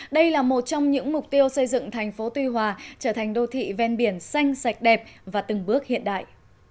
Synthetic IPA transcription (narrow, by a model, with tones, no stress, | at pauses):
ɗə˧jlaː˨˩mo˨˩t̚t͡ɕɔ˧wŋ͡mɲɨ̰˧˥ŋmʊ˨˩k͡p̚t̪i˧əwsə˧jzɨ̰˧˨ŋt̪ʰɛ˨˩jŋ̟fo˨˦t̪wi˧ɦwaː˨˩t͡ɕəː˧˩t̪ʰa˨˩jŋ̟ɗo˧t̪ʰḭ˧˨vɛ˧nɓi˧˩ənsa˧jŋ̟sa˨˩jk̟̚ɗɛ˨˩p̚vaː˨˩t̪ɨ˨˩ŋɓɨ˦˥ək̚hḭ˧˨ənɗa̰ː˧˨jʔ